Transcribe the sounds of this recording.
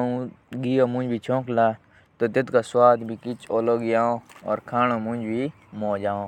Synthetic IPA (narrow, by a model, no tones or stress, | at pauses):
ũɡijomʊ̃d͡ʒbʱit͡ʃʰõːklaː | t̪ot̪ɪt̪kaswaːd̪bʱikɪt͡ʃoːloɡijaːõɔ̰ːɾkʰaːñomʊ̃d͡ʒbʱi | mõːd͡ʒaːõː